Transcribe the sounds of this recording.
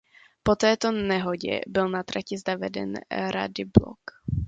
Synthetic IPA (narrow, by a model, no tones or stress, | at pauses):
pot̪ɛːt̪o̞nɛɦoɟɛ̰bɪlnat̪ɾacɪzd̪avɛdɛ̰nɾa̰dɪblo̰k